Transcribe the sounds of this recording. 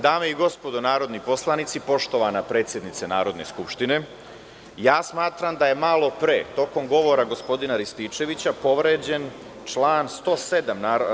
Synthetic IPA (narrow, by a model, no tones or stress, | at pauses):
d̪aːme̞iɡo̞spo̞d̪onaːɾo̞d̪nipo̞slˠanit̪sipo̞ʃt̪o̞ʋanapɾe̞ːt̪sje̞d̪nit̪senaːɾo̞d̪ne̞̰skupʃt̪ine̞ | jaːsmaːt̪ɾamd̪aje̞malˠo̞pɾeːt̪o̞ko̞mɡo̞ʋo̞ɾaɡo̞spo̞d̪inaɾist̪it͡ʃe̞ʋit͡ɕapo̞ʋɾe̞ːd͡ʑe̞n | t͡ʃlˠaːnst̪o̞ːse̞d̪amnaː